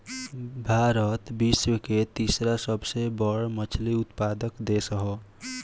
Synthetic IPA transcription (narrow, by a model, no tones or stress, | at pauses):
bʱaɾət̪biswəket̪isɾasəbsebəɽmət͡ʃʰliut̪pad̪əkd̪esəɦɔ